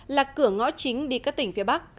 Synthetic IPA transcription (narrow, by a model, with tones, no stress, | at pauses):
laː˨˩kɨ˧˩əŋɔ̰˧˥t͡ɕï˨˦ŋ̟ɗi˧˩kaː˦˥k̚t̪ï˧˩ŋ̟fi˨˦ɓa˦˥k̚